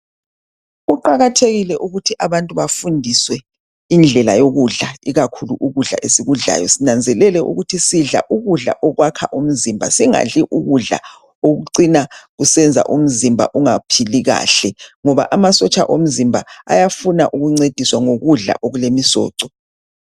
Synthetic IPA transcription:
uǃaɣatʰeɣilɛʔuɣutʰiʔaβantʼuβafundʱiswɛ | ind͡ɮʱɛla̰joɣuɮaiɣakʰuluʔuɣuɮa̰ʔesiɣuɮa̰jɔsinand͡zʱɛlɛlɛʔṵɣutʰisiɮa̰ʔuɣuɮa̰ʔɔɣwakʰa̰ʔum̩zimbʱa̰siŋa̰ɮiʔuɣuɮa̰ | oɣuǀinaɣusɛnd͡zʱa̰ʔum̩zimbʱa̰ʔuŋapʰiliɣa̰ːɬɛŋɔβa̰ʔamasɔt͡ʃʼa̰ʔom̩zimbʱaa̰jafunaʔuɣuŋ͡ǀed̥ʱiswaŋoɣuɮa̰ʔoɣulemisɔ̰ːǀɔ

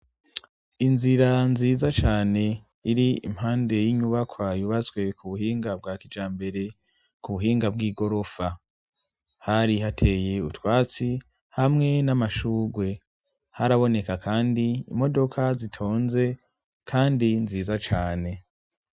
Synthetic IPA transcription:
inziɾanziːzat͡ʃaːne̞ | iɾiḭmhaːnde̞jiɲuβakʰwajuβazɡwe̞kuβuɦiːŋɡab̚ɡaːkid͡ʒaːmbe̞ɾe̞ | kuβuɦiːŋɡab̚ɡiːɡo̞ɾo̞fa | haɾiɦatʰe̞je̞utwaːt͡si | hamŋe̞namaʃuːɡwe̞ | haɾaβo̞ne̞kakʰaːndiḭmo̞do̞kʰazitʰo̞ːnze̞ | kʰaːndinziːzat͡ʃaːne̞

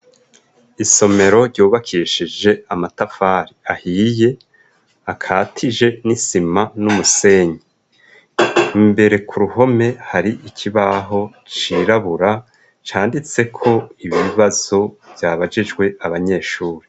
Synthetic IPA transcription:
iso̞me̞ɾo̞ɾɟuːβakʰiːʃid͡ʒe̞amatafaːɾiahiːje̞ | akʰaːtʰid͡ʒe̞nisimanumuse̞ːɲe | imbe̞ɾe̞kʰuɾuho̞me̞haɾiʔicʰiβaɦo̞ | t͡ʃiɾaβuɾa | t͡ʃaːndit͡se̞kʰo̞iβiiβaz̥o̞vjaːβad͡ʒid͡ʒɡwe̞aβaɲe̞ːʃuːɾe

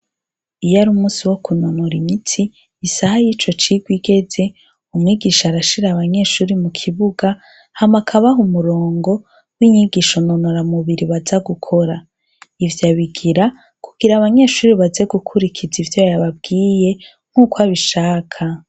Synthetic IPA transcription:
ijaɾumuːsiwo̞kuno̞noɾimitʰiː | sahajiːt͡ʃo̞t͡ʃiɡwiɡe̞d͡ze̞ | umŋiːɡiːʃaɾaʃiɾaβaɲe̞ːʃuːɾimukʰiβuɡa | hamakʰaβaɦumuɾo̞ːŋɡo̞ | wiɲiɡiʃono̞noɾamuβiɾiβazaɡukʰo̞ɾa | ivjaβiɡiɾa | kuɡ̥iɾaβaɲe̞ːʃuːɾiβazeɡukʰuɾikʰizivjojaβab̚ɡiːje̞ | ŋ̥huːkwaβiʃaːkʰa

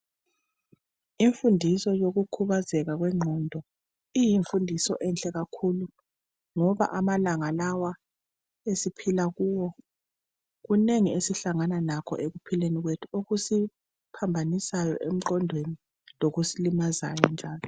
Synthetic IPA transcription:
iɱfundʱisɔjoɣukʰuβazɛɣaɣwɛŋ͡ǃʱɔndʱɔ | ijiɱfundʱisɔ̰ʔɛnt͡ɬʼɛɣakʰulu | ŋɔβa̰ʔamalaŋalawa | esipʰilaɣuːwɔ | ɣuneŋiesiɬaŋananakʰɔ̰ʔeɣupʰileniɣwetʰuoɣusi | pʰambʱanisajɔʔem̩ǃɔndʱweni | loɣusilimaza̰jɔnd͡ʒʱaːlɔ

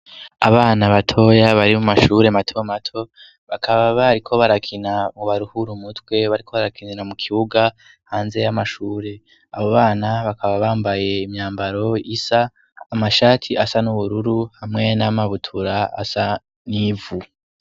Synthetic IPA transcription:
aβaːnaβatʰo̞jaβaɾimumaʃuːɾe̞matʰomatʰo̞ | βakʰaβaβaɾikʰo̞βaɾakʰinamoβaɾuhuɾumutwe̞βaɾikʰo̞βaɾakʰininamukʰiβuɡa | haːnze̞jamaʃuːɾe̞ | aβo̞βaːnaβakʰaβaβaːmbaje̞imɲaːmbaɾo̞isaː | maʃaːtʰiasanuβuɾuɾuhamŋe̞namaβutʰuɾaa̰sa | nivu

